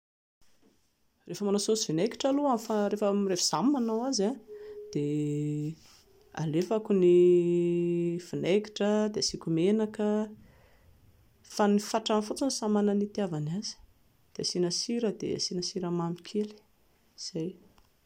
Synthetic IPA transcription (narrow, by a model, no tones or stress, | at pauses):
refəmanasosivinejki̥ʈ͡ʂaluamfaɾefəmrefz̥amnanawazad̪̥e | a̰lefakuni | fineki̥ʈ͡ʂəd̪easikʲumenakə | fanifaʈ͡ʂanfut͡sinisamananit̪iavanazi̥ | d̪̥easinəsiɾəd̪ḛa̰sinasiɾəmamikʰeli̥ | z̥aj